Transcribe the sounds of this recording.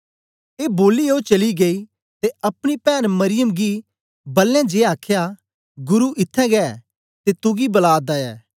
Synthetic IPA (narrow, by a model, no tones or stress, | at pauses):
eːboːlioːt͡ʃɐliɡei | t̪eɐpɽ̃ipɛːnmɐɾɪjəmɡi | bɐlːãd͡ʒeːaːkʰja | ɡʊɾuʔɪt̪ʰːɛ̃ɡɛː | t̪et̪ʊɡibɐlaːd̪aɛ̰ː